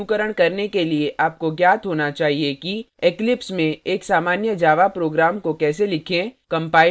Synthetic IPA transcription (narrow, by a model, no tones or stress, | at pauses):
ukəɾəɽ̃kɐɾnekelieʔaːp̚koɡjaːt̪ɦoːnat͡ʃaːɦieki | eklɪpsmẽeːksaːmaːnjəd͡ʒaːʋapɾoːɡɾaːmkokɛːs̬elɪkʰẽkɐ̃mpaːɪ